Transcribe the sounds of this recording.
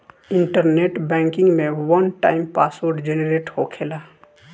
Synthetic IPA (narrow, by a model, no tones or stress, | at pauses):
ɪ̃ɳʈəɾneːʈbɛ̃ːŋkɪ̃ŋɡmẽwənʈaːɪmpaːswoɾɖd͡ʒeneɾeːʈhokʰeːlaː